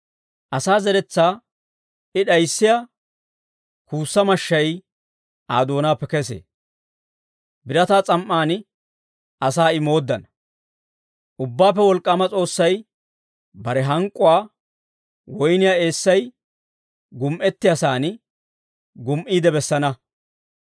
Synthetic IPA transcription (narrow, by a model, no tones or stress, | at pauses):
ʔɐsaːzɛɾɛt͡sːaː | ɪɗɐjsːɪja | kuːsːɐmɐʃːɐj | ʔaːd̪oːnaːpːɛkɛsḛː | bɪɾɐt̪aːt͡sʼɐmʔːaːn | ɐsaːɪmo̞ːd̪ːɐnɐ | ʔʊbːaːpːɛwɔlkʼːɐmɐt͡sʼo̞ːsːɐj | bɐɾɛɦɐŋkʼːʊwaː | wɔjnɪjaːe̞ːsːɐj | ɡʊmʔɛt̪ːɪjɐsaːn | ɡʊmʔiːd̪ɛbɛsːɐnɐ